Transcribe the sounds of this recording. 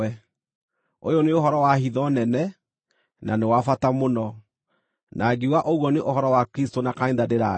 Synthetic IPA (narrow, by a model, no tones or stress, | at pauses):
ɛ | ojɔneoɦɔɾɔwahiðɔnɛnɛ | nanewafatamonɔ | nʔaɡiwaʔoɣwɔneʔohɔɾɔwakɾistonakainðadeɾa